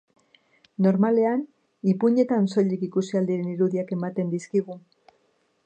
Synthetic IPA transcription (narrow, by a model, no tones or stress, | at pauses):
no̞ɾmale̞an | ipuɲe̞t̪anso̞ʎikikusiald̪iɾe̞niɾuðiake̞mat̪e̞nd̪iskiɣu